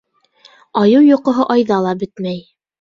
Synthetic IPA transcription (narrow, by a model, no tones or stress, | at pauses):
ɑjɤwjŏqɤ̆ɦɤʔɑjðɑlˠɑbɘt̪mæj